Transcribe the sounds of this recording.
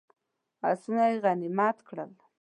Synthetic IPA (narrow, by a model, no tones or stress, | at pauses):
a̰sunajɣanɪmɑt̪kɽəl